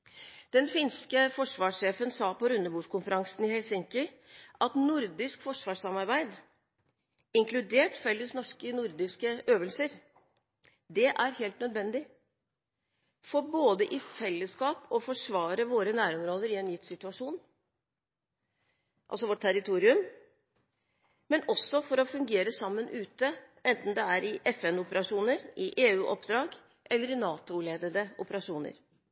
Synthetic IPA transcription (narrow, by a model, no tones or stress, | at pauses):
d̪̥ɛnfɪnskəfɔʂʋɑːʂːeːfənsɑːpɔɾʉnːəbuːʂkʊnfəɾɑŋsnɪhɛlsɪŋkə | ʔɑt̪nʊɾd̪ɪskfɔʂʋɑːʂɑmɑɾbæɪd̪ | ɪŋklʉd̪eːʈfɛlːəsnɔʂkənʊɾd̪ɪskəʔøːʋəlsəɾ | d̪ɛʔæɾheːlt̪nœd̪ʋɛnd̪ɪ | fɔɾboːd̪əʔɪfɛlːəskɑːpɔfɔʂʋɑːɾəʋoːɾənæːɾɔmɾoːd̪əɾɪɛnjʏt̪ːsɪt̪ʉɑʂuːn | ʔɑ̰lsɔʋɔʈ̚ʈt̪ʰæɾɪt̪ʰuːɾɪʉm | mɛnɔsːɔfɔɾɔfʉŋɡeːɾəsɑmːənʔʉːt̪əʔɛnt̪n̩d̪ɛæɾɪʔɛfɛnʊpəɾɑʂuːnəɾʔɪʔeːʉːʔɔpd̪ɾɑːɡ | ʔɛlːəɾɪnɑːt̪ʊleːd̪əd̪əʔʊpəɾɑʂuːnə̰ɾ